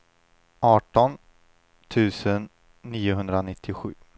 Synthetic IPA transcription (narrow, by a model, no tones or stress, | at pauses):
ʔɑːʈɔn | t̪ʰʉ̟ːsənː | iːʊɦɵnd̪ɾanɪt̪ʰːɪɧʉ̟ː